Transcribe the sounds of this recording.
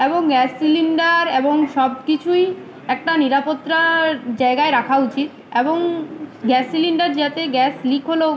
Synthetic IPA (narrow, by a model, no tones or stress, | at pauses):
eboŋɡɛsːiliɳɖaɾeboŋʃɔbkit͡ɕʰuj | ɛk̚ʈaniɾapot̪ːɾad͡ʑaeɡaeɾakʰaut͡ɕit̪ | eboŋɡɛsːiliɳɖaɾd͡ʑat̪eɡɛslikʰɦolo